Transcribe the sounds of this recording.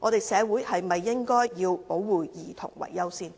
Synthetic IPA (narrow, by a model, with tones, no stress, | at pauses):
ŋʔɔː˨˧ɾe˨jsɛː˨˧wuː˨˥jhɐ˨jmɐ˨jːɪ˥ŋkɔː˥jjiː˧wpo˨˥wwuː˨jiː˨˩t̪ʰʊ̰˨˩ŋwɐ̰˨˩jːɐ˥wsiː˥n